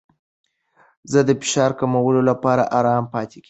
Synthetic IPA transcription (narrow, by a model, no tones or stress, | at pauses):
zəd̪əfɪ̥ʃɑɾkamawəlolapɑɾa̰ʔɑɾɑmpɑt̪eɡi